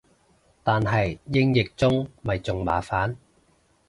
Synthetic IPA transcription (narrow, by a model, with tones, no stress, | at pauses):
t̪aː˨nɦɐ˨jjɪ˥ŋjɪ˨k̚t͡sʊ˥ŋmɐ˨jt͡sʊ˨ŋma̰ː˨˥faː˨˥n